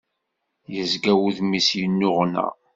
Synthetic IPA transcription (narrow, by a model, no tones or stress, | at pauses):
jəzɡæwuðmisjənːʊʁnæ̰